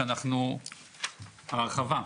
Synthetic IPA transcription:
anaχnu | haʁχava

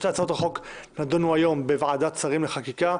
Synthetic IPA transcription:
t̪eat͡saot̪ʁaχo̞knad̪onuajo̞mbevʕad̪att͡saʁimleχakika

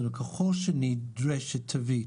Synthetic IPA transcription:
ənəkʰəxɔʃəniːdɹɛʃətʰəviː

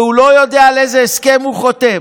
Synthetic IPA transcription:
hulo̞jo̞d̪ealezeːskemhuχot̪e

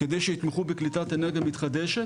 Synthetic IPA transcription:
ked̪ejʃeit̪meχubeklit̪at̪eneʁɡamit̪χad̪eʃe

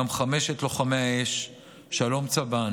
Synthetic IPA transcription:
amχame̞ʃetloχameaeʃ | ʃalomt͡saban

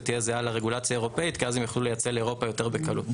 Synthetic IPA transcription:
t̪ijezealaʁe̞ɡulat͡sjae̞ʁo̞pe̞it̪kiazemjaχlulejat͡seleːʁo̞pajo̞t̪e̞ʁbekalṵt

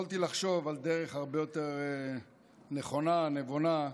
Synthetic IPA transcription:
alt̪ilaχʃo̞vald̪eʁeχhaʁbejot̪eʁe | neχo̞nanevona

